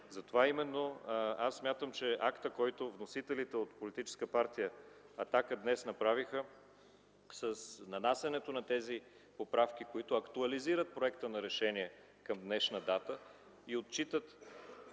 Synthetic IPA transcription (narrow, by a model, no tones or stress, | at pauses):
zɐt̪ovaimɛnːoasːmʲjat̪əmt͡ʃɛʔakt̪əkɔjt̪ovnosit̪ɛlit̪ɛot̪polit̪it͡ʃɛ̥skəpaɾt̪ijə | ɐt̪akəd̪nɛsn̪ɐpɾavixə | səsnɐnasʲɐnɛt̪onɐt̪ɛzi | popɾafk̟ikoit̪ʊɐkt̪ʊɐliziɾət̪̚pɾoɛkt̪ənɐɾɛʃɛniɛ | kəmd̪nɛʃnəd̪at̪ə | iot̪̚t͡ʃit̪ət̪